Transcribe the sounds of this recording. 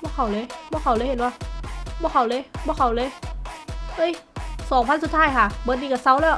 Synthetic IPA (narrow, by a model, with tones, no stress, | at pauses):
bɔː˧˥˨kʰa˨˩wlɤː˧˦jbɔː˧˥˨kʰa˨˩wlɤː˧˦jhe˨˩˦nwaː˧˩bɔː˧˥˨kʰa˨˩wlɤː˧˥jbɔː˧˥˨kʰa˨˩wlɤː˧˦˨j | ʔɤː˧˥˨jsɔː˨˦ŋpʰa˧˥˨nsu˨˩t̪ʰːaː˧˥˨jkʰa˧˩bt̚niː˧˩ka˧˩sa˧˥˩wlɛː˦˧˩